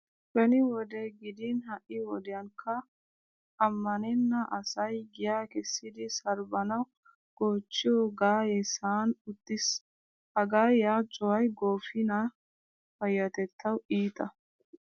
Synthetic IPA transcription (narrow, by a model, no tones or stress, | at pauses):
bɐnɪwɔd̪eɡɪd̪ɪnhɐʔɪwɔd̪ɛjɐŋkʰɐ | ɐmːɐnɛnːɐʔɐsɐjɡɪjaːkɛsːɪd̪ɪsɐɾbɐnɐw | ɡ̥oːt͡ʃːɪjoːɡaːjɛsaːnʊt̪ːɪs | hɐɡaːjaːt͡ʃʼɔwɐjɡo̞ːfɪnɐ | fɐjːɐt̪ɛt̪ʰːɐwiːt̪ɐ